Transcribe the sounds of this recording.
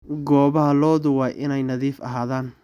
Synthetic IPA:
ɡɔːβɐɦɐlɔːðʊwɑjʔɪnɛjnɐðiːfɐ̰ɦaːðaːn

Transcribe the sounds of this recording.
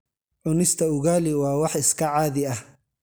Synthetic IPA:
ʕʊnɪst̪ʰɐʊɣaːlɪwɑːwɑħɪskʰɐʕaːðɪɐh

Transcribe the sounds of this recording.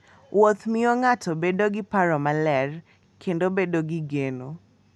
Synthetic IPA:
wot̪mɪoŋatobedoɡɪpaɾɔmalɛr | kʰendobedoɡɪɡeno

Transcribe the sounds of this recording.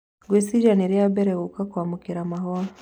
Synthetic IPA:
ɡwisiʒaniɾijabɛɾɛɣukakwamukiɾamaɦɔa

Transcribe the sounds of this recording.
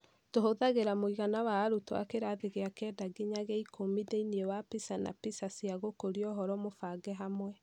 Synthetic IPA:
toɦoðaɣeɾamoiɣanawaːɾutoa̰keɾaðeɣeakɛdaɡiɲaɣɛikʰomideiniewapisana̰pisasiaɣokoɾiɔɦɔɾɔmofaɡɛɦamwɛ

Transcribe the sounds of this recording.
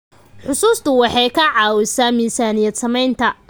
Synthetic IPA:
ħʊsuːst̪ʰʊwɑħɑjkʰɐʕɑːwɪsaːmiːsaːnɪjɛːd̪sɐmɛjnt̪ʰɐ

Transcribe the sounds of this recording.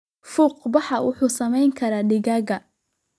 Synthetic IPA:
fuqbɑħɑwʊ̰ħuːsɐmɛjŋkʰɐɾaːɖɪɣɐːɣɐ

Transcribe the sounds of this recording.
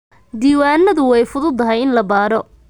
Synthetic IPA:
d̪iːwaːnːɐðʊwɛjfʊðʊd̪ɐɦɛjɪnlɐbaːɾɔ

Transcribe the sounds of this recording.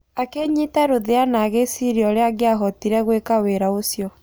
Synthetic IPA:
akeɲitaɾoðeanaɣesiɾiɔɾeaɡeaɦɔtiɾɛɣwekaweɾaosjɔ

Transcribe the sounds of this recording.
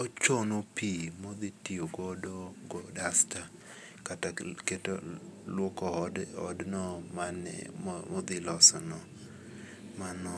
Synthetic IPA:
ot͡ʃonopimod̪itioɡɔdoɡɔdasta | kataketolwɔkɔɔ̰dnɔmanɛ̰mmɔd̪ɪlɔsɔnɔ | manɔ

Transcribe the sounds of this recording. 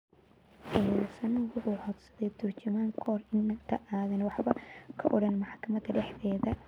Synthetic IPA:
ʔɪmaːsɐnwʊħuːħɔd̪sɐðɛt̪ʰʊrt͡ʃʊmaːŋkʰɔːrɪnːɐt̪ʰɐʔaːðɐnwɑħbɐkʰɐʔɔɽɐnmɑħkʰɐmɐd̪ɐɖɛħðɛːðɐ

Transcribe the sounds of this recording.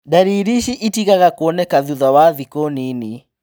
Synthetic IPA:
daɾiɾiʃiʔitiɣaɣakwɔnɛkaðuðawaðikɔnini

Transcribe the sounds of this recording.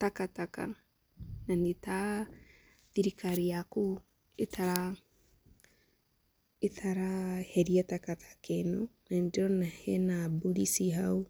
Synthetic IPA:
takataka̰ | naneta | ðiɾikaɾiaku | etaɾa | etʰaɾahɛɾiatakatʰḁkɛnonandeɾɔnahɛnabuɾisiɦau

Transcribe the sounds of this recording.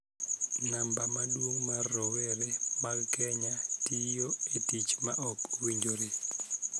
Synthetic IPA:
nambamaɗuŋmarɔwɛrɛmakʰɛɲatʼijɔetit͡ʃʰmaʔɔbuwiɲd͡ʒʱoɾi

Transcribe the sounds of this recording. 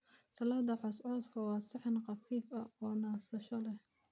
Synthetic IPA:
sɐlaːd̪ɐħɔsʕɔskʰɐwɑːsɪħɪnqɑfiːfɐɔːnaːsɐʃɔlɛh

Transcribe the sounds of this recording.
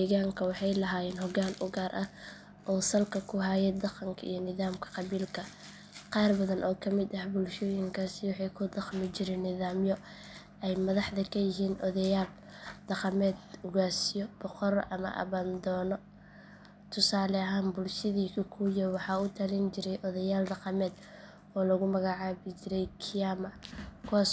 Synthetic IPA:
d̪iːɣaːŋkʰɐwɑħɑjlɐɦaːjɛːnhɔɡaːnʔʊɡaːɾʔɐ | ʔɔːsɐlkʰɐkʰʊɦajɛd̪ɑqɑŋkʰɐ̰ʔḭjɔnɪðaːmkʰɐ̥qɑβiːlkʰɐ | qɑːrbɐðɐnʔɔːkʰɐmɪd̪ɐhbʊlʃɔːjɪŋkʰaːsɪwɑħɑjkʰʊd̪ɑχmɪt͡ʃɪɾɛːnːɪðaːmjɔ | ɛjmɐðɑħðɐkʰɐjɪɦiːnʔɔðɐjaːl | d̪̥ɑqɑmɛːd̪ʊɣaːsɪjɔb̥ɔqɔɾʔɐmɐ̰ʔɐ̰βaːnd̪ɔːnɔ | t̪ʰʊsaːlɛɐɦaːnbʊlʃɐðiːkʰɐkʰujɐwɑħɑːʊt̪ʰɐlint͡ʃɪɾɛjʔɔðɐjaːld̪ɐqɑmɛːd̪ | ɔːlɐɣʊmɐɣɑʕɑːβɪt͡ʃɪɾɛjkʰɪjaːmɐkʰuwaːs

